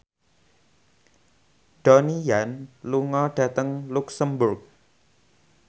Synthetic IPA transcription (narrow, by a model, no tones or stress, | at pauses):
ɖ̥ɔnijanluŋɔɖ̥ä̤t̪əŋluksəmbʊrk̚